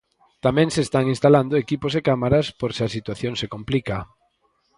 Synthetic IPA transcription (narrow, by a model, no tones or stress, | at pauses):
t̪amɛ̃ŋsest̪aŋinst̪aland̪oekiposekamaɾaspoɾseasit̪waθjõŋsekomplika